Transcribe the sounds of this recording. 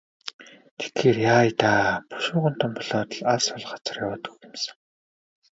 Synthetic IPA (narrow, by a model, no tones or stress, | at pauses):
t̪ʰe̥xxeːrjaːjt̪aːpʊ̥ʃʊːʁə̆n̥t̪ʰɔ̆mpɔɮaːt̪ə̆ɮasɔɮ̆χḁt͡sə̆rjawaːt̪ukɪmsə̥̆ŋ